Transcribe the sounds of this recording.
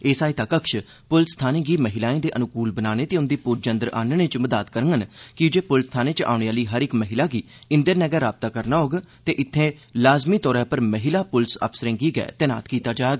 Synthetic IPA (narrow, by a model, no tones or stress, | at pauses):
eːsaːit̪aːkəkʃ | pʊlst̪ʰaːnẽːɡiːməɦɪlaːẽːd̪eːʔənʊkuːlbənaːɽ̃ẽːt̪eːʊnd̪iːpʊd͡ʒə̃nd̪əɾa̰ːnnẽːt͡ʃməd̪aːt̪kəɾəŋɡənkɪd͡ʒeːpʊlst̪ʰaːnẽːt͡ʃa̰ːʊɳeːaːliːɦəɾɪkməɦɪlaːɡiː | ɪnd̪əɾnɛːɡaːɾaːb̚t̪aːkəɾnaːɦoːɡː | t̪eːʔɪt̪ʰːẽːlaːzmiːt̪ɔːɾaːpəɾməɦɪlaːpʊlsə̰pʰsəɾẽːɡiːɡɛ̰ːt̪əna̰ːt̪kiːt̪aːd͡ʒaːeːɡaː